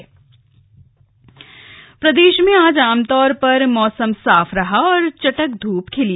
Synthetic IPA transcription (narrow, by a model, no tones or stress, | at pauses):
pɾɐd̪eːʃmẽaːd͡ʒaːmt̪ɔːɾpɐɾmɔːsəmsaːfʰɾɐɦaɔːɾt͡ʃɐʈək̚d̪ʱuːpkʰɪli